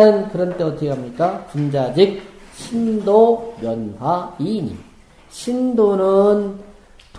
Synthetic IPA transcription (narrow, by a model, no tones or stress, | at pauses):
ɯnkɯɾʌnt͈e̞ʌtʰɯɡeɦamɲik͈at͡ɕund͡ʑad͡ʑik̚ɕʰindomjʌnhaiɲḭ | ɕʰindonɯn | t